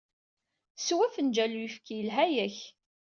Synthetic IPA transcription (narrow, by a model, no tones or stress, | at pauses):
swæfənd͡ʒælujifkijəlɦæjæç